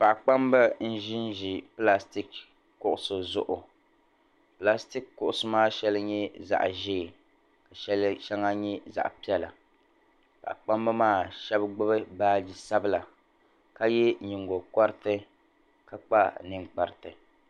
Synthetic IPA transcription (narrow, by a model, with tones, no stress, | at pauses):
pa˨ʔk͡pa˦mba˦n̩˦ʒɪ˦nʒi˨pla˦sti˦k | kːʊ˨ʔʊ˨sʊ˨zʊ˦˨ʔʊ˨ | pla˦sti˦kkːʊ˨ʔʊ˨sʊ˦maː˦ʃɛ˦lɨ˦ɲɛ˦za̰˨ʔʒeː˦˨ | ka˨ʃɛ˦ʃɛ˦ŋa˦ɲɛ˦za̰˨ʔpi˦ɛ˦la̰˨ | pa̰˨ʔk͡pa˦mba˦maː˦˨ʃɛ˦bɡ͡bɨ˦bɨ˦baː˦d͡ʒi˨sa˦bɨ˦la˨ | ka˦jɛ˦ɲi˨ŋɡo˨ka˦ɾtɨ˦ | ka˦k͡pa˦nɨ˦ŋk͡pa˨ɾɪ˨tɨ˨